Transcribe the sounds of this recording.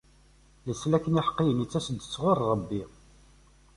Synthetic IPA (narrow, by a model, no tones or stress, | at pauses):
ləslækːəniħə̥qːijənit͡sːæsəd̪ət͡sːʁʊrːˤəbːi